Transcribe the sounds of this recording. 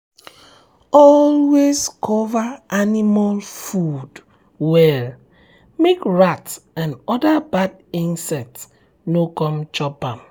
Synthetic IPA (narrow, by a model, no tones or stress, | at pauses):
ɔlwezkʰɔvaanimalfud | wɛl | mekɹatsãnɔdabad | ĩnsɛts | nokɔ̃mt͡ʃɔpãm